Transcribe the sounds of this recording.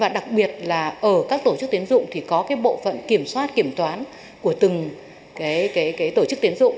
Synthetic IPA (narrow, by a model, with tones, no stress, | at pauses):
vaː˨˩ɗa˨˩k̚ɓi˨˩ət̚laː˨˩ʔəː˧˩kaː˦˥k̚t̪o˧˩t͡ɕɨ˦˥k̚t̪i˨˦ənzʊ̰˧˨ŋ͡mt̪ʰi˨˩kɔ˨˦kaː˨˦jɓo̰˧˨fə̰˧˨nki˧˩əmswaː˦˥t̚ki˧˩əmt̪waː˨˦n | ku˧˩ət̪ɨ˨˩ŋ | kaː˨˦jkaː˨˦jkaː˨˦jt̪o˧˩t͡ɕɨ˦˥k̚t̪i˨˦ənzʊ̰˧˨ŋ͡m